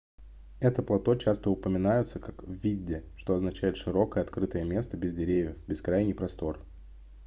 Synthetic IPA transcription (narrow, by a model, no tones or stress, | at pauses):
ɛt̪əplˠɐt̪o̞t͡ɕast̪əʊpəmʲɪnajʊt̪səkakvːʲidʲɪʂt̪o̞ɐznɐt͡ɕæjɪt̪ʂɨɾo̞kəjəɐt̪kɾɨt̪əjəmʲe̞st̪əbʲɪzdʲɪɾʲevʲjəfbʲɪskɾajnʲɪjpɾɐst̪o̞r